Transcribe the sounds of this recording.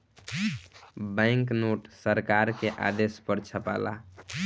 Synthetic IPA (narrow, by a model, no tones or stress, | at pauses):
baɪŋknoʈsəɾkaɾkeʔa̰d̪espəɾt͡ʃʰəpa̰la̰